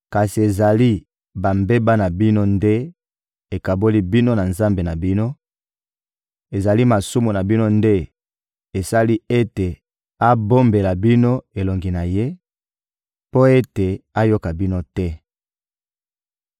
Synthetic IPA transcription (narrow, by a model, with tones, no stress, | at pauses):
ka˨si˨e˨za˨li˦ | ba˨mbe˦ba˦na˨bi˦no˦nde˦ | e˨ka˨bo˦li˦bi˦no˦na˨nza˦mbe˨na˨bi˦no˦ | e˨za˨li˦ma˨su˦mo˨na˨bi˦no˦nde˦ | e˨sa˦li˦e˦te˨ | a˦bo˦mbe˨la˨bi˦no˦e˨lo˨ŋɡi˨na˨je˦ | po˦e˦te˨a˦jo˦ka˨bi˦no˦tɛ˦